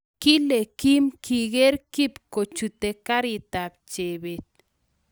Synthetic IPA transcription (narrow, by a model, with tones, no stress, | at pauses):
ki˦le˨ki˦mki˨ɡe˦ɾki˦pko˨t͡ʃu˨t̪e˨ka˦ɾi˨t̪a˨p̚t͡ʃe˨be˨t̪̚